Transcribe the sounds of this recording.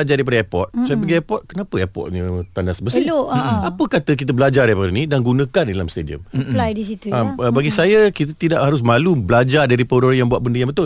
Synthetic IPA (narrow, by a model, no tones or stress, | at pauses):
ad͡ʒardajpadəɛpɔ̰t̪̚sapəɡiapɔt̪̚kənapəɛpɔ̰t̪̚ɲə̃t̪andasəbəsɪoapəkat̪ək̬it̪əbəlad͡ʒarɾapadənidanɡunə̃kandidalamst̪ediə̰mplajdisit̪uaəbaɡisajakit̪ət̪idaʔhaɾʊs̬malubəlad͡ʒardaɾipodoɾəjaŋbuatʔ̚bəndəjaŋbət̪ʊ